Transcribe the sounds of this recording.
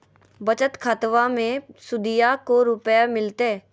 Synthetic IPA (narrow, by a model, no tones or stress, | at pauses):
bət͡ʃət̪kʰat̪ʋamẽsʊd̪ijakoɾʊpjamɪlt̪e